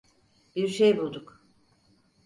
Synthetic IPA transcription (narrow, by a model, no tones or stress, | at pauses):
b̥iɾʃejbulˠd̪uk